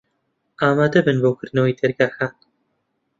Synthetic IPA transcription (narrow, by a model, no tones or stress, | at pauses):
aːmaːd̪ɐbɨnboːkʰɨɾnoːwid̪ɛɾɡaːxaːn